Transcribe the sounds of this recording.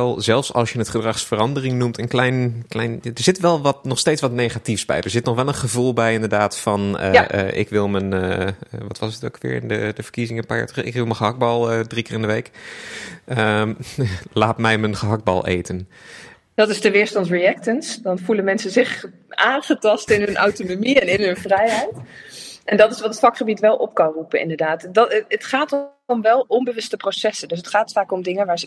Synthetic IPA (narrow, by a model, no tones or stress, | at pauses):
lˠzɛlˠfsɑ̰lˠsjənətχədrɑχsfərɑndərɪŋnumtənklɛjnklɛjnadəɹz̥ɪtʋɛlˠʋɑtnɔχsteːtsʋɑtnejχatifsbɛ̰jdəɹzɪtnɔχʋɛlˠənχəvulˠbɛjɪndəɹdaːtfɑnə̰ʔɪ̰kʋɪlˠmən | ʋɑtʋɑsətokʋɪ̰ːɹɪ̰ndədəv̥ə̥ɹkizɪŋəpa̰ːtəɪ̰kʋɪlˠməχəɦɑɡ̚bɑlˠdrikɪːɹɪndəʋejk | ə | laːtmɛjmənχəɦɑɡ̚bɑ̰lˠḛjtən | d̥ɑtɪstəʋɪːɹstɑntriɛk̚tənsdɑnvuləmɛnsəzɪχ | ʔaːnχətɑstɪnɦɵnʔa̰wtonomiɛnɪnɦɵnvrɛjɦɛjtʔɛndɑtɪsʋɑtətfɑkχəbitʋɛlˠʔɔp̚kɑnrupənʔɪ̰ndəɹdaːtdtətχaːt | ɔmʋɛlˠɔmbəʋɵstəprosɛsəndʏs̬ətχaːtfaːkɔmdɪŋəʋaːɹzə